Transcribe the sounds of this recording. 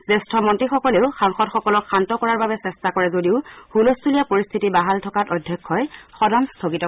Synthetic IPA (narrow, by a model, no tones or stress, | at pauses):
sɛstʰɔmɔntɹixɔkɔleʊxaŋxɔtxɔkɔlɔkʰːantɔkɔɹaɹbabɛsɛstakɔɹɛzodiʊhulostʰulijapoɹist̪ʰitibaɦaltʰɔkatɔdʱjɔkʰːɔjxɔdɔŋstʰoɡitɔ